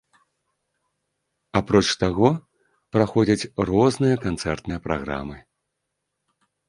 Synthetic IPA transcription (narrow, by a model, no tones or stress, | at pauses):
apɾɔt͡ʂt̪aɣɔ | pɾaxɔd͡zʲɐt͡sʲrɔznɨjɐkant̪sɛrt̪nɨjɐpɾaɣɾa̰mɨ